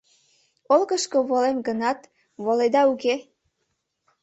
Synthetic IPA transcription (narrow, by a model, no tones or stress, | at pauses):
olɣəʃkoβolemɡənɑt̪ | βoled̪ɑuke